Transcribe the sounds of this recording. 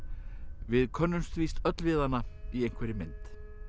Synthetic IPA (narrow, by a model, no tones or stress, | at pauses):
vɪðkʰœnːʏnst̪vist̪œt̪lvɪːðanːaiejŋ̥kʰvɛːɾɪmɪnt̪